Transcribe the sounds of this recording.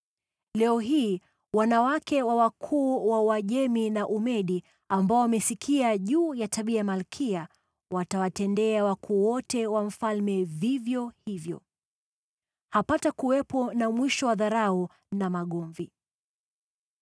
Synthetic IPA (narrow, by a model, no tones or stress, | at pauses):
lɛɔɦiː | wanawakɛwawakʰuːwawaʄɛminaʔumɛɗi | ambaɔwamɛsikʰiaʄuːjatʰaɓiajamalkʰia | watawatɛndɛawakʰuːwɔtɛwam̩falmɛvivjɔhivjɔ̰ | hapatakuwɛpɔnamwiʃɔwaðaɾau | namaɠɔɱvi